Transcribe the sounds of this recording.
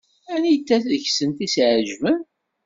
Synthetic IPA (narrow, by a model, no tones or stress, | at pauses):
ænijt͡sːæθəçsənt̪isʕəʒvən